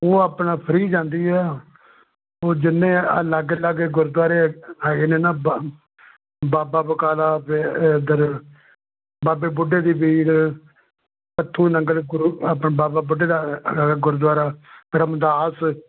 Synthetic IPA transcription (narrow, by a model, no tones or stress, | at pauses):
oːaːpnaːpʰəɾiːd͡ʒãːnd̪iːɛː | oːd͡ʒɪnːẽːə̰ləɡləɡeɡʊɾd̪waːɾeːɛːɡeːnẽːnaːb | baːbaːbəkaːlaːped̪əɾ | baːbeːbʊɖeːd̪iːbiːɾ | pət̪ʰːũːnəŋɡəlɡʊɾapɳeːbaːbaːbʊɖeːd̪aːɡɡʊɾd̪waːɾaːəɾəmd̪aːs